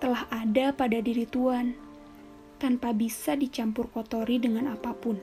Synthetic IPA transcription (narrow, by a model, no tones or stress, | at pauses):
t̪əlahadapadadiɾit̪uan | t̪anpabisadit͡ʃampʊrkot̪oɾidəŋanapapʊn